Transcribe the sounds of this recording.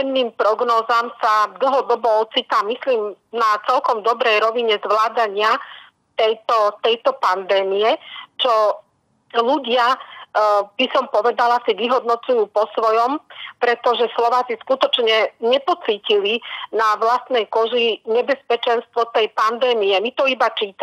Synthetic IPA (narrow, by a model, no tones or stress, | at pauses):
ɛnnːiːmpɾɔɡnɔːzamsad̪l̩ˠɦɔd̪ɔbɔɔt͡sit̪aːmisliːmnat͡sɛlkɔmd̪ɔbɾɛjɾɔʋiɲɛzʋlaːd̪aɲɪa | t̪ɛjt̪ɔt̪ɛjt̪ɔpand̪ɛːmijɛt͡ʃɔ | luɟɪa | b̥isɔmpɔʋɛd̪alasiʋiɦɔd̪̚nɔt͡sujuːpɔsʋɔjɔmpɾɛt̪ɔʒɛslɔʋaːt͡siskut̪ɔt͡ʃɲɛɲɛpɔt͡siːcilinaʋlast̪nɛjkɔʒiɲɛbɛspɛt͡ʃɛnst̪ʋɔt̪ɛjpand̪ɛːmijɛmit̪ɔibat͡ʃiːt̪